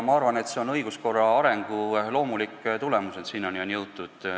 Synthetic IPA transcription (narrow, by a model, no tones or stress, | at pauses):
mɑɑrvɑne̞t̪se̞o̞nɤ̞jɡ̥usko̞rːɑɑɾe̞ŋɡ̥ulo̞ːmulikːˑt̪ule̞muset̪siːno̞njɑnjɤwt̪ːˑud̪̥